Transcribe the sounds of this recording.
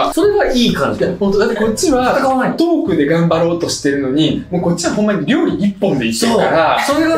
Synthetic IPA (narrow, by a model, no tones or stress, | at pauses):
so̞ɾe̞βaiːkãɲihont̪od̪at̪ːeko̞t͡ɕːiβaaat̪o̞ːkɯ̟d̪e̞ɡãmbaɾo̞ːt̪o̞ɕi̥t̪e̞ɾɯ̟no̞ɲ̟imo̞ːko̞t͡ɕ͈ːiβaɦõ̞mːaɲ̟iɾʲo̞ːɾʲiɾʲipːõ̞nd̪e̞ioaɾaso̞ɾe̞βa